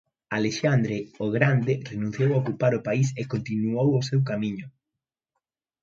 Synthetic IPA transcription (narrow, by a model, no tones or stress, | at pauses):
aleʃand̪ɾeoɣɾand̪ɪrenũn̟θjowaokupaɾʊpaisekont̪inuowosewkamiɲʊ